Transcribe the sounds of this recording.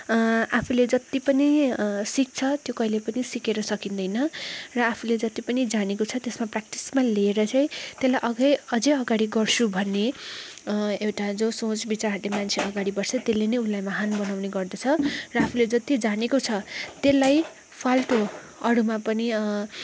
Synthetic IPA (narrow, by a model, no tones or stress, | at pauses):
apʰuled͡zʌt̪ipʌnisik̚t͡sʰʌt̪jokʌilepʌnisikeɾʌsʌkind̪ʌjnʌrʌapʰuled͡zʌt̪ipʌnid͡zanekot͡sʰʌt̪esmaprak̚ʈismaleːɾʌt͡sʌj̃t̪elajʔʌɡʌjʌd͡zʌʌɡaɽiɡʌrt͡sʰubʱʌnːe | ewʈad͡zosõt͡sbit͡saɦʌɾlemant͡sʰeʌɡaɽibʌrt͡sʰʌt̪elːenʌjulːajmaɦanbʌnawneɡʌrd̪ʌt͡sʰʌrʌapʰuled͡zʌt̪id͡zanekot͡sʰʌt̪elːaj | pʰalʈo | ʌɽumapʌni